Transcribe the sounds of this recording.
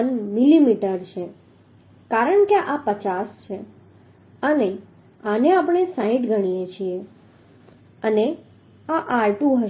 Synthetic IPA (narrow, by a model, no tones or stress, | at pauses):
nmilimiʈəɾt͡ʃʰe | kaɾəɳkeʔapət͡ʃast͡ʃʰe | əne | aneapɳ̃esãĩʈɡʱəɽ̃ijet͡ʃʰie | əne | aʔalʈũɦə